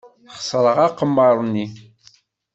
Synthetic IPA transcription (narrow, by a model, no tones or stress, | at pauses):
χsˤɾˤəʁɑqəmːɑɾˤnːi